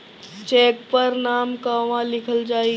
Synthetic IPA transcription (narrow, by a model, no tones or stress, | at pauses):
t͡ʃeːkpəɾnaːmkaʋãlɪkʰəld͡ʒaːi